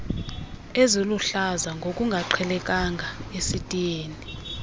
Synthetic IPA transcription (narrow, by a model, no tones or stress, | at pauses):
eziluɬazaŋɡʱokʼuŋɡʱaǃʰɛlɛkʼaŋɡʱaesitʼijeːni